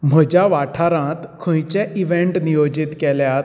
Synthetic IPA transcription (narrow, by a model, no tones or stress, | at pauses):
m̤əd͡ʑjaʋaʈʰaɾãt̪kʰə̃jt͡ɕɛʔiʋẽɳʈnijod͡ʑit̪kɛljat̪